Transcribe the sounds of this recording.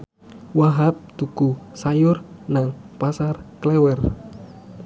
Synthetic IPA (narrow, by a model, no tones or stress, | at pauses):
waɦap̚t̪ukusajʊrnaŋpasarklɛwɛr